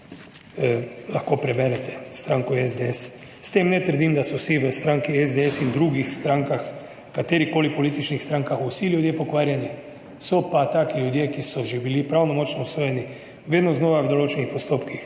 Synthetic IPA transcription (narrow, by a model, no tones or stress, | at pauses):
laxkopɾɛbɛɾɛt̪ɛst̪ɾaŋkɔezd̪ees | st̪emnɛt̪əɾd̪imd̪asɔsiʋəst̪ɾaŋkiezd̪eesind̪ɾuːɡixst̪ɾaːŋkax | kat̪eɾikoːlipolit̪it͡ʃnixst̪ɾaŋkaxusiljud̪jepokʋaːɾjanjɛ | sopat̪aːkiljud̪jekisɔʒebilipɾawnomot͡ʃnousʋoːjeni | ʋeːd̪noznoʋawd̪olot͡ʃenixpost̪oːpkix